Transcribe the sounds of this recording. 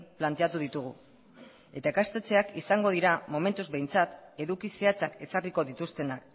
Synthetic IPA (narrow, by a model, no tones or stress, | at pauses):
plant̪e̞at̪uð̞it̪uɣ̞ṵ | e̞t̪aekast̪et͡se̞akisaŋɡo̞ð̞iɾamo̞me̞nt̪uzbe̞jnt͡sat̪e̞ðukiseat͡sake̞sariko̞ðit̪ust̪e̞nak